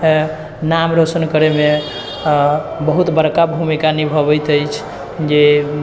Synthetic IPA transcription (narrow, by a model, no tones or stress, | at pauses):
namɾosənkəɾeme | bəɦut̪bəɾkabʱumikanibʱəbɛjt̪əjt͡ʃʰ | d͡ʒe